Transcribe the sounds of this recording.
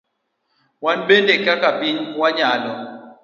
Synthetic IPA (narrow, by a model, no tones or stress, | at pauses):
wanbendekakapiɲwaɲalɔ